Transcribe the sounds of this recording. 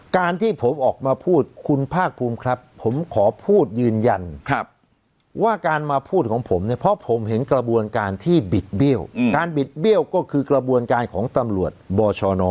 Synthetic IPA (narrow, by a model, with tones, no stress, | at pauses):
kaː˧nt̪ʰiː˥˩pʰo˩˦mʔɔː˨˩k̚maː˧pʰuː˥˩t̪̚kʰu˧npʰaː˥˩k̚pʰuː˧mkʰɾa˦˥pʰːo˩˦mkʰɔː˩˦pʰuː˥˩t̪̚jɯː˧nja˧nʰ˧˥p̚ | waː˥˩kaː˧nmaː˧pʰuː˥˩kʰɔː˩˦ŋpʰo˩˦mni˥˩ɐpʰɔ˦˥pʰo˩˦mɦe˩˦nkɾa˧bu˧ənkaː˧nt̪ʰiː˥˩bi˨˩t̪̚bi˥˩əwkaː˧nbi˨˩t̪̚bi˥˩əwkɔː˥˩kʰɯː˧kɾa˧bu˧ənkaː˧nkʰɔː˩˦ŋt̪a˧mɾu˨˩ət̪̚bɔː˧t͡ɕʰɔː˧nɔː˧